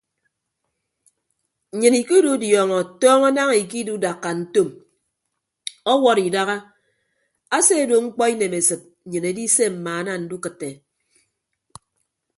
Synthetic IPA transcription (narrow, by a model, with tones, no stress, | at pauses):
ɲɨ˨ni˨ku˦du˦djɔː˨ŋɔ˨tɔː˦ŋɔ˦na˦ŋi˨ki˦du˦da˨kːa˨n̩˦to˦m | ɔ˦wɔ˦ɾi˨da˦ɣa˦ | a˦se˦˨do˨ŋ͡m̩˦k͡pɔ˦i˦ne˨me˨sɨ˨t̩̚˨ɲɨ˨ne˨di˦se˦m̩˨maː˨a˦na˦n̩˦du˦kɨ˨tːe˨